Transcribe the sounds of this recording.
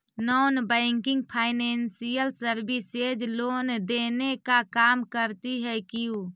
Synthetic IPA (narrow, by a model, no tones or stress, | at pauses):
nɔːnbɛɪŋkɪ̃ŋɡpʰaːɪneːnsijəlsəɾbiseːd͡ʒloːnd̪eːnekakaːmkəɾt̪iɦɛkɪju